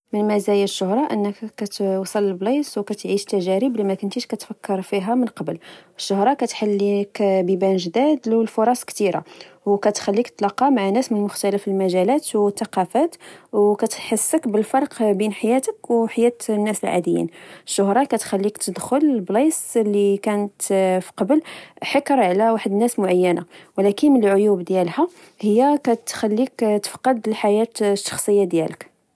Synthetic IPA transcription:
mənmæzæjæʃːʊhɾˤɑʔənːəkːæt̪wsˤɑlːəlbliswkæt̪ʕiʃt̪ːæʒæɾəblimækʊnt̪iʃkæt̪fækːəɾˤfiɦæmənqɑbələʃːʊhɾˤɑkæt̪ħalːikbibænʒd̪æd̪ləlfʊɾˤɑsˤkt̪iɾa̰wkæt̪xælːiktt̪ːlɑqːɑmaʕanæsmənəmʊxt̪æləfəlmæʒælæt̪wt̪ːɑqɑfæt̪wkæt̪ħəsːəkbəlfɑɾˤqbinħajæt̪əkwħajæt̪nːæsəlʕa̰d̪əjːḭnəʃːʊɦɾˤɑkæt̪xælːikt̪əd̪xʊllblislːikænət̪fi̥qɑbəlħəkɾˤʕlæwaħəd̪ənːæsmʊʕajːənawlækənmənəlʕʊjubd̪jælhæ | həjːækæt̪xælːikt̪ə̥fqɑd̪lħajæt̪ʃːɑ̥xsˤəjːad̪jæ̰lək

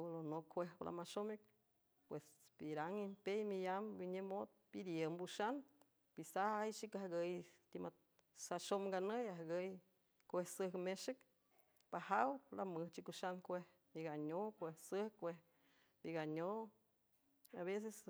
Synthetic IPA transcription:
olonokʰʷehplʔa̰maʃomek̚ | pwesbiɾaŋimpejmijambiɲemot̪̚bid̪jəmbuʃan | b̥isahajt͡ʃikahɡəjt̪ima | saʃomɡanəjaɦɡəj | kʷehsəhmeʃɨk | pahawlamɨht͡ʃikuʃankʷeh | miɡaɲokʷehsəhkʷeh | biɡaɲo | aβes̬es

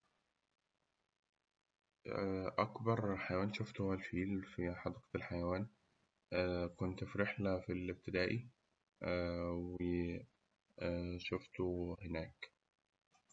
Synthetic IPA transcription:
ʔakbɑɾˤħajawaːnʃʊft̪ʊhalfiːlfiħɑd̪ɑːqlħajawaːn | kʊnt̪fiɾɪħlafilɪb̚t̪ɪd̪aːʔi | wɪ | ʃʊft̪uhɪnaːk

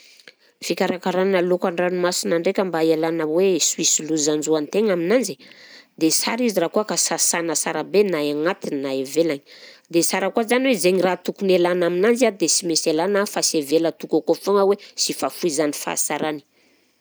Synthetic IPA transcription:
fikʲaɾakaɾannalokaɳɖ͡ʐanimasinaɳɖ͡ʐekʲəmbaelanəwesuisiluzand͡ʒuant̪eŋaminand͡zid̪esaɾizirakuəkasasanəsaɾabenajaŋat̪innaevelaɲi̥d̪esaɾəkuazaniwezeɲirat̪ukunelanaminand͡ziad̪esimeselanafasevelət̪ukakofoŋəwesifafuizanifa̰saɾani̥

